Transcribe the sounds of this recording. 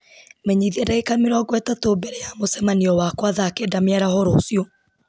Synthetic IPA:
mɛɲiðiadaekameɾɔɡwɛtatobɛɾɛjamosɛmaniɔwakwaðaːkedameaɾahoɾoːsiɔ

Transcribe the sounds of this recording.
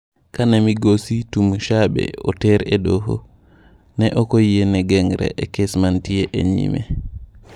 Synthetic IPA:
kanamiɡositumuʃaɓɛ̰ɔtɛɾɛdɔɦɔ̰ | nɛʔɔkojijɛnɛɡɛŋɾɛ̰ʔɛkɛsmantijɛʔɛ̰ɲḭmɛ̰

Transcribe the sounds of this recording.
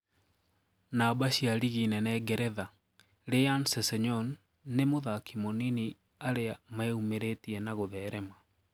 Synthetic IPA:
nabaɕiaɾiɣinɛnɛɡɛɾɛða | ɾejansɛsɛɲɔnː | emoðakimonini | aɾeamaeumeɾetiɛnaɣoðɛːɾɛma

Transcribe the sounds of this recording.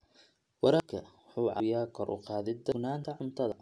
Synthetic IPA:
wɑɾɑkʰɐ̰ | ħuːʕɑ̰jaːkʰɔɾʔʊ̰qɑːðɪd̪ɐnaːnt̪ʰɐʕʊmt̪ʰɐðɐ

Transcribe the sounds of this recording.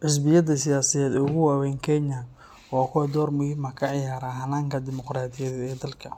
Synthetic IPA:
ʕɪs̬bɪjɐðɐsɪjaːsɐðɛːd̪ɛʊɣʊwaːwɛːŋkʰɛɲɐ | ɔːkʰʊwɛd̪ɔːrmʊhiːmɐkʰɐʕɪjaːɾaːɦɐnaːŋkʰɐd̪ɪmɔqraːd̪ɪjɐðɐɛːd̪ɐlkʰɐ

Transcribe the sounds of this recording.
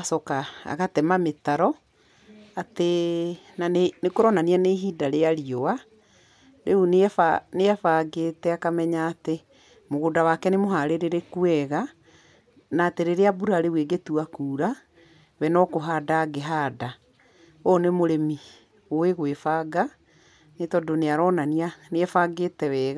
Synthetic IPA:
asɔkaa̰ɣatɛmametaɾɔ | ate | nanenekoɾɔnaniɛneɦidaɾeaɾioa | ɾʔeuneɛfaneɛfaːɡetɛakamɛɲaːte | moɣodawakɛnemoɦaɾeɾeɾekuɛɣa | naːteɾeɾeabuɾaɾeueɡetuakuːɾa | wɛnɔkoɦaːdaɡeɦaːda | onemoɾemi | oeɣwefaːɡa | netɔdoneaɾɔnanianeɛfaːɡeːtɛwɛːɣa

